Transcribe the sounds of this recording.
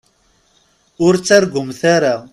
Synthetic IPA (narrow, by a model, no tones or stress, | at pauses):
ʊɾt͡sːaɾɡʊmθaɾa